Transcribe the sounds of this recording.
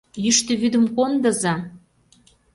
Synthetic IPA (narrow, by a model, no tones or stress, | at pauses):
jyʃt̪ə̆βyd̪ə̆mkond̪ə̆zɑ